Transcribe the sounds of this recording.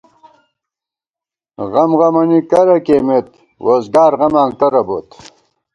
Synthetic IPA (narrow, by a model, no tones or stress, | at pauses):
ʁɐmʁɐmɐnikɐɾɐkeːmet̪ | wozɡaːɾʁɐmaːŋkɐɾɐbot̪